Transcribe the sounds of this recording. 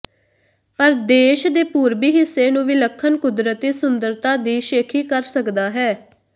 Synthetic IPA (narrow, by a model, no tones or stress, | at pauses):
pəɾd̪eːʃd̪eːpuːɾbiːɦɪsːeːnũːʋiːləkʰːənkʊd̪ɾət̪iːsʊnd̪əɾt̪aːd̪iːʃeːkʰiːkəɾsəkd̪aːɦɛː